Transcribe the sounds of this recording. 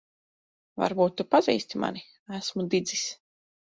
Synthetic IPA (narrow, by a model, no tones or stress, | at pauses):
va̰ɾbuːt̪ːupazḭːst̪ima̰ni | æsmud̪id̪zis